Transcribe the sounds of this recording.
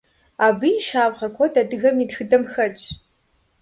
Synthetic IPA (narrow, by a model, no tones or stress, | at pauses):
aːbɨjiʃaːvʁɐkʷʰɔdadɨɣɐmitxɨdɐmxɐt͡ʃʰʼ